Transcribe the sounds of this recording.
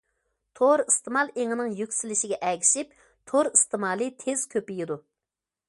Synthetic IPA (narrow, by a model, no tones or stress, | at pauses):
t̪ʰoɾist̪ʰɨmɑlˠeŋɨnɨŋjykʲsilɪʃɪɡʲɛʔɛkʲi̥ʃip | t̪ʰoɾist̪ɨmɑːlˠɨt̪ʰez̥kʲʰøpijid̪u